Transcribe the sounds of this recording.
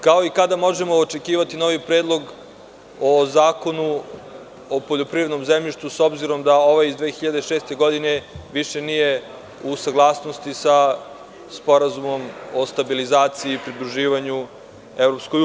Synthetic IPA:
kao̞ikad̪amo̞ʒemo̞ːt͡ʃe̞kiːʋat̪ino̞ʋipɾed̪lˠo̞ɡ | ozaːko̞nu | opoʎo̞pɾivɾed̪no̞mzemʎiʃt̪vuso̞bziɾo̞md̪ao̞ʋajizd̪ʋeːxiʎad̪eʃeːst̪e̞ɡo̞d̪ine̞ʋiʃe̞nije | usaɡlˠaːsnost̪isa | spo̞ɾazumo̞mo̞st̪abilizaːt̪siiːpɾid̪ɾuʒiːʋaɲu | evɾopsko

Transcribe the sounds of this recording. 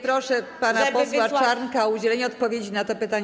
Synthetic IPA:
pɾɔʂɛpanapɔswat͡ʂaɾnkaɔud͡ʑɛlɛɲɛɔt̪̚pɔvʲjed͡ʑinat̪ɔpɘt̪aɲ

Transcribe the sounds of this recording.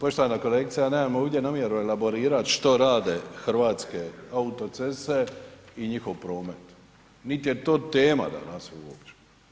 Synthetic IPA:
poʃt̪oʋanako̞lek̚t̪sijaneːmamoʋd̪ʲje̞namjeɾuelabo̞ɾiːɾat̪ʃt̪oɾaːd̪exrʋaːt̪skeaut̪o̞t̪sese̞iɲixo̞ʋpɾo̞ːme̞t̪ | nit̪je̞t̪oːt̪eːma̰d̪a̰nasuṵopt͡ɕe̥

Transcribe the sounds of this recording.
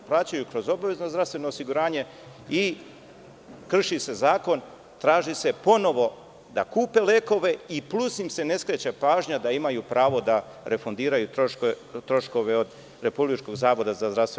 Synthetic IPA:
plˠat͡ɕajukɾo̞zo̞baʋe̞znozd̪ɾast̪ʋe̞no̞ːsiɡuɾaːɲe̞ | i | kr̩ʃise̞zaːko̞n | t̪ɾaːʒise̞po̞no̞ʋo̞ | d̪a̰kuːpe̞leːko̞ʋe̞iplusnimse̞ne̞skɾet͡ɕapaːʒɲad̪aimajupɾʔaːʋo̞d̪a | ɾe̞fond̪iːɾajut̪o | t̪ɾo̞ʃko̞ʋe̞od̪ | ɾe̞publit͡ʃko̞ɡzaːʋo̞d̪azazd̪ɾast̪ʋe

